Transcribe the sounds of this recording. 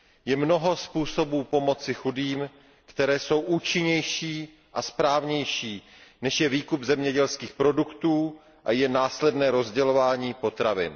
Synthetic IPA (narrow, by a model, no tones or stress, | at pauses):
jɛmno̞ɦo̞spuːso̞buːpo̞mo̞t͡sɪxudiːm | kt̪ɛɾɛːso̞wʔuːt͡ʃɪɲɛjʃiː | ʔaspɾaːvɲɛjʃiː | nɛʃjɛviːkubzɛmɲɛɟɛlskiːxpɾo̞dukt̪uː | ʔajɛnaːslɛdnɛːɾo̞zɟɛlo̞vaːɲiːpo̞t̪ɾavɪ̰n